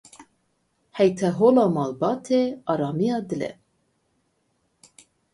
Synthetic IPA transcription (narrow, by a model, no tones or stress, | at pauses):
hɛjt̪ʰɛɦoːlɑːmɑːlbɑːt̪ʰeɑːɾɑːmijɑːd̪ɨlɛ̰